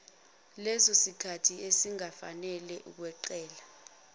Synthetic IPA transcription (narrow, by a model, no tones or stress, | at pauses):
lɛsɔsikʰatʰiesiŋafa̰nɛlɛʔṵk̬wɛǃɛːla